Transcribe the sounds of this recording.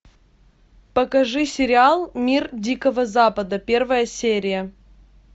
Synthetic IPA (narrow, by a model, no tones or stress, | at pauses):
pəkɐʐɨsʲɪɾʲɪalˠmʲirdʲikəvəzapəd̪əpʲe̞rvəjəsʲeɾʲɪjə